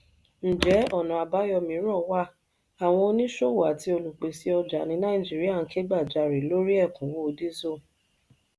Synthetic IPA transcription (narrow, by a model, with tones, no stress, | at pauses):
n̩˨d͡ʒɛ˨˦ɔ˦˨nã˨a˨ba˨˦jɔ˧mĩ˧˦ɾɔ̃˦˨wa˦˨ | a˨w̃ɔ̃˧o˧˦nĩ˦ʃo˦˨wa˨ti˧˦o˧lu˨k͡pe˨si˨˦ɔ˧d͡ʒa˨nĩ˧nã˦ĩ˦˨d͡ʒi˦ɾi˦a˦˨n̩˨˦kʰe˦ɡ͡ba˦˨d͡ʒa˧˨ɾi˨lo˦ɾi˦ɛ˦˨kũ˨˦wo˦o˧di˦zo˦˨